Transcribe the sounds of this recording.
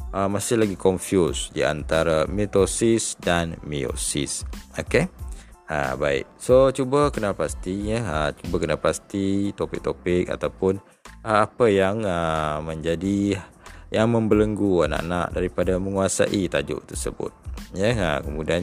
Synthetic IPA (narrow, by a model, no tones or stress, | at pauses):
ʔəmasɪhlaɡikɔɱfjusdia̰nt̪aɾamit̪osɪsdanmio̰sḭsoke | a̰ba̰ɪ̰k̚sot͡ʃubəkənapast̪ijəət͡ʃubəkənapast̪it̪opɪk̚t̪opɪka̰t̪awpʊn | aːpəjaŋəmə̃ɲd͡ʒadi | jaŋməmbələŋɡuana̰ʔa̰naʔdaɾipadaməŋuasa̰ʔit̪ad͡ʒʊ̰ʔt̪ərsə̰bʊ̰t̪̚jəə̰kəmudian